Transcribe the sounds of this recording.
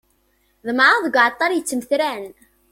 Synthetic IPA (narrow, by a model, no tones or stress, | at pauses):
ðˤmʕaðəɡʷʕət̪ˤːɑɾjət͡sːəmθɾæn